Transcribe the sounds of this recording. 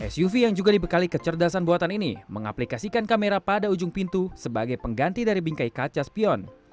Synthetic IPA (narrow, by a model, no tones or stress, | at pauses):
ʔɛ̰sjufijaŋd͡ʒuɡadibəkalikət͡ʃərdasanbuat̪aninḭməŋa̰plikasikankameɾapadaud͡ʒʊŋpint̪usəbaɡajpəŋɡant̪idaɾibiŋkajkat͡ʃaspiɔn